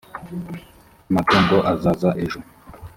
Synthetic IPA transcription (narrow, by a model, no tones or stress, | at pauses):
matondoʔazazaʔeʒo